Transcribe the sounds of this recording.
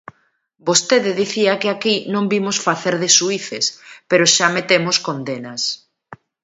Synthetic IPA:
bost̪eðɪðiθiakeakinõmbimosfaθeɾðɪsuiθespeɾoʃamet̪emoskond̪enas

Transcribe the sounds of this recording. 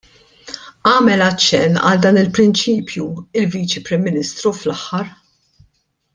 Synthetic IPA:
ɐːmɛlɐt͡ʃːɛnːɐ̰ld̪ɐːnɪlpɾɪnt͡ʃiːpʰjuɪlviːt͡ʃipɾɪmːɪnɪst̪ɾuflɐħːɐɾ

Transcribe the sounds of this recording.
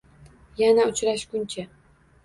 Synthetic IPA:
janaʊt͡ʃʰɾaʃkʊnt͡ʃʰa

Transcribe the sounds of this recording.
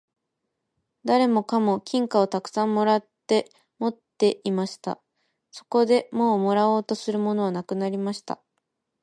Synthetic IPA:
d̪aɾe̞mo̞kamo̞kʲĩŋkao̞t̪akɯ̟̥sãmːo̞ɾat̪ːe̞ | mo̞t̪ːe̞ʔimaɕi̥t̪a̰ | so̞̥ko̞d̪e̞mo̞ːmo̞ɾao̞ːt̪o̞sɨɾɯ̟mo̞no̞β̞anakɯ̟naɾʲimaɕi̥t̪a̰

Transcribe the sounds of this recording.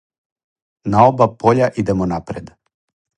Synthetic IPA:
naobapʰo̞ʎaʔid̪emonapɾed̪

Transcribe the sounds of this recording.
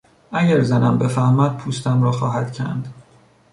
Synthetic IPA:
ʔæɟæɾzænæmbe̞fæhmæd̪̚pʰuːst̪æmɾɒːxɒːɦæd̪̥cʰæ̰nd̪̥

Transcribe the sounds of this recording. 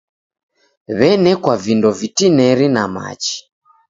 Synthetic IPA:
βɛnɛkwavindɔvitinɛɾinama̰t͡ʃi̥

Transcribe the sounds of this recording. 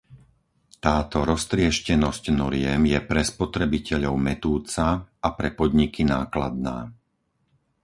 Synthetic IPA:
t̪aːt̪ɔɾɔst̪ɾɪɛʃcɛnɔscnɔɾɪɛmjɛpɾɛspɔt̪ɾɛbicɛʎɔʊmɛt̪uːt͡saapɾɛpɔd̪ɲikinaːkla̰d̪̚na̰ː

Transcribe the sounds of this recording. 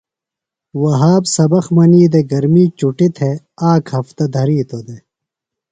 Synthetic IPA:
wɐɦaːbsɐbɐxmɐniːd̪eɡɐɾmiːt͡ɕuʈit̪ʰe | aːkhɐft̪ɐd̪ʱɐɾiːt̪od̪e

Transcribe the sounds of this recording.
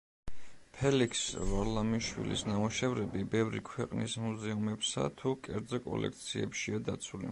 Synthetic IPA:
pʰɛlikʰsvalamiʃwḭlḭsnamuʃɛvɾɛbibɛvɾḭkʰwɛqʼnismuzɛumɛpsa̰t̪ʰukʼɛɾd̪zɔkʼɔ̰lɛ̰kʰt̪sʰiɛpʃiad̪at̪sʰulḭ

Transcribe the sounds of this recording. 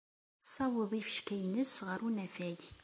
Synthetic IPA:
sˤɑwəðˤifəʃkæjnəsʁəɾunæfæʝ

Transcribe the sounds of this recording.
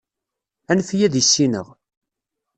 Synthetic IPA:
ænfjæðjəsːinə̰ʁ

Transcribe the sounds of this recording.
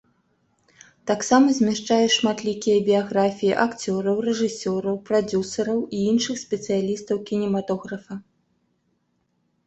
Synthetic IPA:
t̪aksamɐzʲmʲɛʂt͡ʂajɛʂmat̪lʲikʲijɐbʲijaɣɾafʲijiʔakt͡sʲɔɾɐwrɛʐɨsʲɔɾɐwpɾad͡zʲusɐɾɐwʔiinʂɨxsʲpʲɛt̪sɨjalʲist̪ɐwkʲinʲɛmat̪ɔɣɾɐfɐ

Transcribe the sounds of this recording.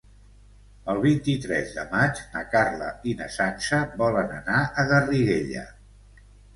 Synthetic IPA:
əlˠβ̞int̪it̪ɾɛ̰zðə̰mad͡ʒnə̰karlə̰inəsansəβɔlənənaəɣəriɣḛʎə̰

